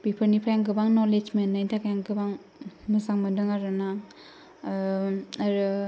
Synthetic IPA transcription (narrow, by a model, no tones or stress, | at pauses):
b̥ipʰəɾnipʰjaŋɡɯbaŋnɔled͡ʒmenːajdakjaŋɡɯbaŋ | musaŋmadɯŋaɾɯna | ɾɯ